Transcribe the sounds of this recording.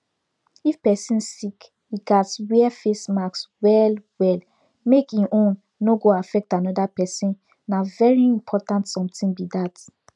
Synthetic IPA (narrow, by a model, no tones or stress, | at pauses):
ifpɛsĩnsik | iɡatswɛfesmakswɛlwɛl | mekĩʔõnː | oɡoafɛk̚tanɔdapɛsĩnː | avɛɹiĩmpʰɔtãntsɔ̃mtĩnbidat